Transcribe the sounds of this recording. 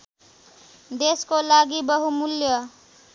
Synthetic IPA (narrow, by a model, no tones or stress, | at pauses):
d̪eskolaɡibʌɦumuljʌ